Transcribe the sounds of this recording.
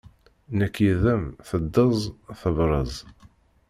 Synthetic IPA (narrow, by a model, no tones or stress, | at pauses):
nækːiðæmθəd̪ːəzˤθəvɾˤəzˤ